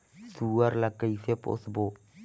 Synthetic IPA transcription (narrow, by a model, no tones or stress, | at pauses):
suaɾlakəjfepo̰sbo